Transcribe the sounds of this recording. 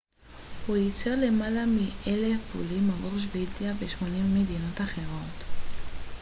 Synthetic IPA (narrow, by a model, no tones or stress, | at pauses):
hujit͡seʁle̞malamiʔelefṵlimavoʁʃ̬vedjaveʃmo̞nimːedino̞taχe̞ʁo̞t